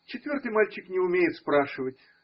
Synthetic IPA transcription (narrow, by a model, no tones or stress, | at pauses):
t͡ɕɪt̪vʲo̞rt̪ɨjmalʲt͡ɕɪknʲɪʊmʲejɪt̪spɾaʂɨvətʲ